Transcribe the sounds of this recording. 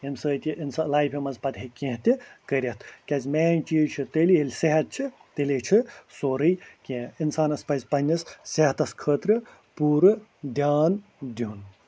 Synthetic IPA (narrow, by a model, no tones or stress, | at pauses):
emsəːt̪ʲiʔinslaːjpʰimɐzpɐd̪ɦekʲẽɦt̪ʲikəɾʲɐt̪ʰkʲɐzʲmeːnʲt͡ʃit͡ʃʰit̪eːliɦelʲseɦɐt̪̚t͡ʃʰit̪elʲet͡ʃʰisoːɾɨjkʲẽinsaːnɐspɐzʲpɐnʲːɐsseɦɐt̪ɐskʰəːt̪ɾɨ | puːɾɨd̪jaːn | d̪un